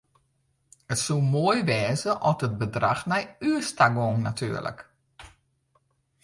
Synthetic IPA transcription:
ətsulˠmoəjʋɛːzəʔɔtət̚bədraxnɛjyəstaɡoŋnatʰy̰ːərlə̰k

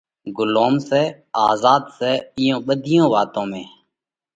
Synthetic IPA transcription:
ɡʊloːmsɛː | aːzaːd̪sɛːɪjõːɓəd̪ʱɪjõːʋaːt̪õːmẽː

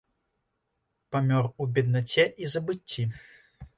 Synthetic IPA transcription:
pamʲɔrubʲɛd̪nat͡sʲɛʔizɐbɨt͡sʲːi

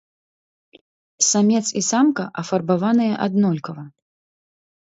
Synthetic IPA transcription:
samʲɛt̪sisamkɐʔɐfɐrbavanɨjɐʔad̪nɔlʲkɐvɐ

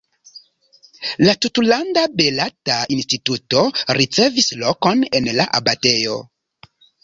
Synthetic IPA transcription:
latutulandabe̞latainstitutoɾit͡se̞visloko̞nenla̰ʔa̰batejo̞

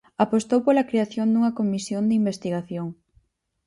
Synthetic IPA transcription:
apost̪owpolɐkɾeaθjond̪uŋɐkomisjond̪imbest̪iɣaθjoŋ

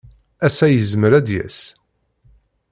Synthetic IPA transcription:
æsæjəzməɾæd̪jæ̰s

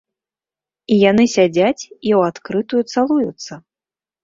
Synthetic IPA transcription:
ijanɨsʲad͡zʲat͡sʲiwat̪kɾɨt̪ujut̪salˠujut̪sːɐ

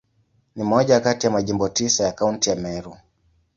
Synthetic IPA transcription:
nimɔʄakatijamaʄimbɔtisajakauntijamɛɾu

